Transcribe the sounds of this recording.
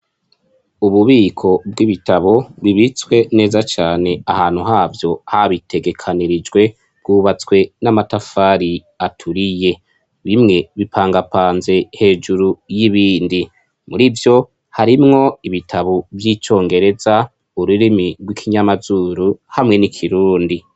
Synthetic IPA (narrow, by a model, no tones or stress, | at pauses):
uβuβiːkʰo̞b̚wiβitaβo̞βiβit͡swe̞ne̞ːzat͡ʃaːne̞ahaːn̥huɦaːvjo̞haβitʰe̞ɡe̞kʰaniɾid͡ʒɡwe̞ | ɡɡ̥uːβat͡swe̞namatafaːɾi | atʰuɾije̞ | βimŋe̞βipʰaːŋɡapaːnze̞he̞ːd͡ʒuɾujiβiːndi | muɾivjo̞ | haɾimŋo̞iβitʰaβovjit͡ʃo̞ːŋɡe̞ɾe̞za | uɾuɾimiɾɡwikʰiɲamazuɾuhamŋe̞nikʰiɾuːndi